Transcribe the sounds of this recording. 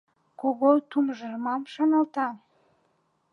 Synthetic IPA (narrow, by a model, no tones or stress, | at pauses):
koɣot̪umʒərmɑmʃɑnɑlt̪ɑ